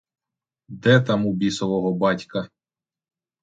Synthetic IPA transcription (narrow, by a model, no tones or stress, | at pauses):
d̪ɛt̪ɑmubʲisɔʋɔɦɔbɑtʲkɐ